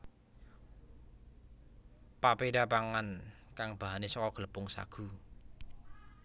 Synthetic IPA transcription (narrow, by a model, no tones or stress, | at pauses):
papeɖapaŋankaŋb̥a̤ɦanesɔkɔɡ̥ələpʊŋsa̰ɡ̥ṳ